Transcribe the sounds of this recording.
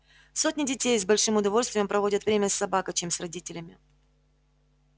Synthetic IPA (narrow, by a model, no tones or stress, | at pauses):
sot̚ʲnʲɪdʲɪtʲejzbɐlʲʂɨmʊd̪ɐvo̞lʲst̪vʲjəmpɾɐvo̞dʲət̪vɾʲemʲɪəsːɐbakət͡ɕemsrɐdʲitʲɪlʲɪmʲɪ